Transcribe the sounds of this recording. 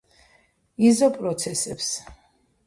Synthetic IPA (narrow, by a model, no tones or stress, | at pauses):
izɔpʼɾɔt̪sʰɛsɛps